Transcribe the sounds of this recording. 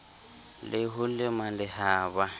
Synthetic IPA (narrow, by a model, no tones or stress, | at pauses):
lɪɦʊlɪmalɪhaːba